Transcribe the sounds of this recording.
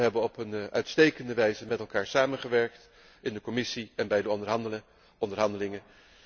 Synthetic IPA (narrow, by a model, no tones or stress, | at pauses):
ɦɛbəɔpənœɥtstejkəndəʋɛjzəmɛtɛlˠkaːɹsaːmənχəʋɛɹk̚t | ɪndəkɔmɪsiɛnbɛjdə | ɔndəɹɦɑndəlɪŋə